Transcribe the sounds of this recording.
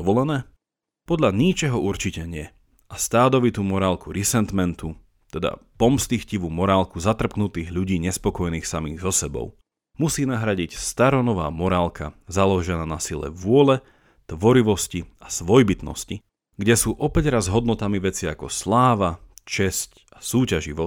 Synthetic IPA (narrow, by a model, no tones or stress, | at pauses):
ɔʋɔlɛnɛː | pɔd̪lʎaɲit͡ʃɛɦɔʔuɾt͡ʃicɛɲɪɛ | ʔast̪aːd̪ɔʋit̪uːmɔɾaːlkuɾisɛnt̪mɛnt̪u | t̪ɛd̪a̰pɔmst̪ixciʋumɔɾaːlkuzat̪r̩pknut̪iːɣʎuɟiːɲɛspɔkɔjɛniːxsamḭːɣzɔsɛbɔ̰ʊ | musiːnaɦɾaɟicst̪aɾɔnɔʋa̰ːmɔɾaːlkazalɔʒɛnaːnasilɛ̰ʋʊɔlɛ | t̪ʋɔɾiʋɔsciasʋɔjbit̪nɔ̰sci | ɡɟɛsuːʔɔpɛɟɾazɦɔd̪̚nɔt̪amiʋɛt͡siakɔslaːʋat͡ʃɛsc | asuːcaʒiʋɔ